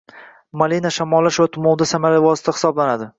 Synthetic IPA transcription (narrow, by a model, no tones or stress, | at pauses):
malinaʃamɒlˠːaʃvat̪ʰʊmɒwd̪asamaɾavɒsɪ̥t̪ʰahɪ̥sɒblanad̪ɪ